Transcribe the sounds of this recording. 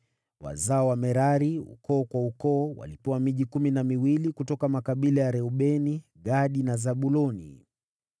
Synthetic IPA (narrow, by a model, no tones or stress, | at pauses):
wa̰zaɔwamɛɾaɾiṵkɔːkwaukɔːwa̰lipɛwamiʄikuminamiwilikutɔkamakaɓilajaɾɛuɓɛni | ɣaɗinazaɓulɔnḭ